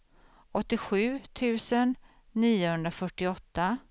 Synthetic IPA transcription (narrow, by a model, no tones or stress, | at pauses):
ɔt̪ːɪɧʉ̟ːt̪ʰʉ̟ːsənː | iːʊhɵnd̪ɾafœʈːɪɔt̪ːa